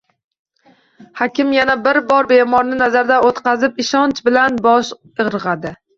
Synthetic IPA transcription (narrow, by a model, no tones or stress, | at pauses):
hɒkʲɪmjanabɪɾbɒɾbe̞mɒɾnɪnazaɾd̪aot̪qʰɑzɪpɪʃɒnt͡ʃbɪlanbɒʃ | ɨʁɾɨʁad̪ɪ